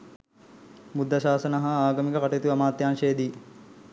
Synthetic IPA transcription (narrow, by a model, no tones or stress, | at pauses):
mud̪ʱːɐʃaːsɐnɐɦɐaːɡɐmikəkaʈɐit̪uɐmaːt̪jaːnʃeːd̪i